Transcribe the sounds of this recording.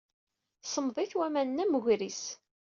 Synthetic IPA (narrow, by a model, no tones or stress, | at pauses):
sˤəmðˤiθwæmænnːæməɣɾis